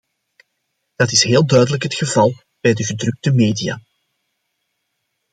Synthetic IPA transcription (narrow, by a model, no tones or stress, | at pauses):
d̥ɑtɪsɦeːlˠdœɥdələkɦətxəvɑlˠ | b̥ɛjdəɣədrɵk̚təmeːdija̰ː